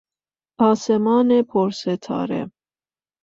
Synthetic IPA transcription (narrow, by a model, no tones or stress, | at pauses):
ɑsɛmɑnɛpʰɔɾsɛt̪ʰɑ̰ɾɛ̰